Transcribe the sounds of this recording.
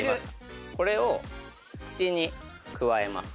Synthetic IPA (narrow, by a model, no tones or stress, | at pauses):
imasko̞ɾe̞o̞ | kɯ̟̥t͡ɕiɲ̟ikɯ̟βae̞ma̰sɨ̥